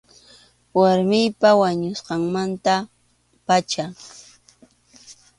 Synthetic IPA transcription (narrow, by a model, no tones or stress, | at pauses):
waɾmɪjpawaɲʊsqɑŋmant̪a | pat͡ʃa